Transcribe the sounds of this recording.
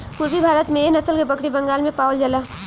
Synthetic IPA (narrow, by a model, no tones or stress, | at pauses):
puɾbibʱaːɾət̪mẽnɐsəlkebɐkɽibɐ̃ŋɡaːlmẽpaːwld͡ʒɐla